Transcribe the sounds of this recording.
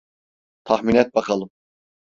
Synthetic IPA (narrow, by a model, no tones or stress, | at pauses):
t̪ʰɑxminɛt̪̚bɑkʰɑlˠɯm